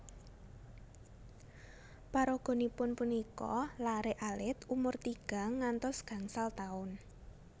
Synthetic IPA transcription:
paɾɔɡ̥o̤nipʊnpunikɔ̰laɾeʔalɪt̪umʊrt̪iɡ̥a̤ŋːant̪ɔsɡ̥ä̤ŋsalt̪aʊn

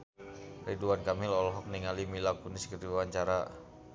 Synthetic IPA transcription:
riduankamilɔlɔɦɔk̚niŋalimilakuniskərdiwwaɲt͡ʃaɾa

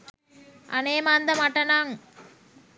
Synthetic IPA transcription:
ɐ̰neːmand̪ɐmɐʈɐnaŋ

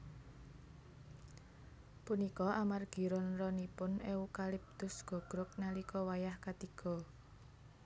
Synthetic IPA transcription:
punikɔʔamarɡ̥i̤ɾɔnrɔnipʊneukalɪp̚t̪ʊsɡ̥ɔ̤ɡ̥ɾʊk̚nalikɔwajahkat̪iɡ̥ɔ̤

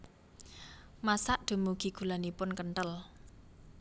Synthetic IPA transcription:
masaʔd̪̥ṳmuɡ̥i̤ɡ̥ṳlanipʊnkəɳʈ̪əl

